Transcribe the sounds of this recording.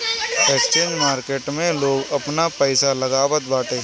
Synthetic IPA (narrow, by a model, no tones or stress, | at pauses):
ekst͡ʃeːɲd͡ʒmaːɾkeːʈmẽloːɡɐpnapɛɪsalɐɡaːwət̪̚baːʈeː